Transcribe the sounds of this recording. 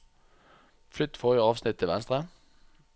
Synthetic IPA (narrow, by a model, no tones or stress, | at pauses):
flʏt̪ːfɔʁɪəɑːʋsnɪt̪ʰːɪlʋɛ̰nst̪ʁə